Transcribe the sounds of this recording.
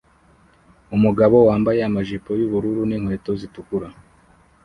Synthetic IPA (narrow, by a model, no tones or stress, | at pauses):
umuɡaβo̞waːmbajeamaʒipo̞juβuɾuɾuniŋhwe̞ːto̞zitukuɾa